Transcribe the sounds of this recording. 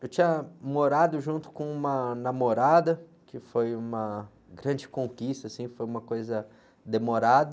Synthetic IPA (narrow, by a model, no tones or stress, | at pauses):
ewt͡ʃĩɲɐmoɾad̪ʊʒũnt̪ʊ̥kõũmɐnamoɾad̪ɐkɪfojũmɐ | ɡɾɐ̃d͡ʒɪkõkist̪ɐsĩfojũmɐkojzɐ | d̪emoɾad̪ɐ